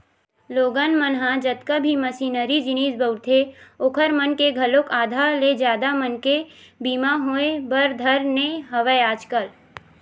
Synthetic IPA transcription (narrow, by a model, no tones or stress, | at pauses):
loːɡənmənɦãd͡ʒət̪kabʱiməsiːnəɾid͡ʒɪniːsbəʊɾt̪ʰeoːkʰəɾmənkeɡʱɐlokaːd̪ʱaled͡ʒaːd̪amənkebiːmaɦoːebəɾd̪ʱəɾneɦɐʋəjaːd͡ʒkəl